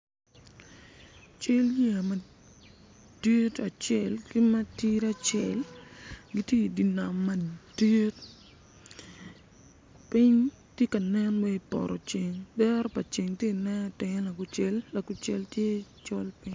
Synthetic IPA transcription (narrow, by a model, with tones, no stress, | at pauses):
t͡ʃe˦lja˨mɐ˨ | d̥i˦ta˨t͡ʃɛ˨lɡi˦mɐ˦ti˦ɾa˦t͡ʃɛ˨lɡi˦tje˦i˨di˨na˨mːɐ˨d̥i˦t | pi˦ɲ | tje˦ka˨nɛ˦nwɛ˦i˨pɔ̰˨ɾɔ˨t͡ʃe˨ŋdɛ˦ɾɔ˦pɐ˨t͡ʃe˨ŋtje˦˨nɛ˦n˦˨tɪ˨ŋ˦la˨ɡʊ˨t͡ʃe˦lːa˨ɡʊ˨t͡ʃɛ˨ltje˦t͡ʃɔ˦lpi˦ɲ